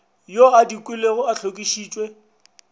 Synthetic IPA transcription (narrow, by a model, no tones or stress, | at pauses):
joadikʼwɪleɣʊaɬʰokʼiʃiːt͡ʃʼwe